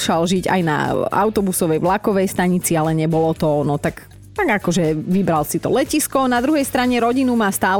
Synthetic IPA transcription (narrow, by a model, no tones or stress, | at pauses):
ʃalʒiɟa̰jna̰a̰ʊt̪ɔbusɔʋɛjʋlakɔʋɛjst̪aɲit͡sialɛɲɛbɔlɔt̪ɔnɔt̪ak | t̪aɡakɔʒɛʋibɾalsit̪ɔ̰lɛciskɔnad̪ɾuɦɛjst̪ɾaɲɛɾɔɟinumaːst̪aː